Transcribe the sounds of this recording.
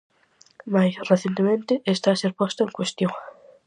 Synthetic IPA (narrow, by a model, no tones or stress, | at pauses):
majsraθjent̪emẽnt̪ɪʔest̪aseɾpwest̪oeŋkwest̪joŋ